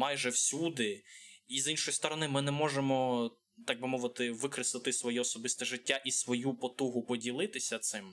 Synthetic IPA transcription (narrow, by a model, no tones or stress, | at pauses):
mɑjʒɛwsʲud̪ɪizinʃɔjst̪ɔɾɔnɪmɪnɛmɔʒemɔ | t̪ɑɡ̚bɪmɔʋɪt̪ɪʋɪkɾɪslˠɪt̪ɪsʋɔjɛɔsɔbɪst̪ɛʒɪtʲːaʔisʋɔjupɔt̪uɦʊpɔdʲilˠɪt̪ɪsʲɐt̪sɪm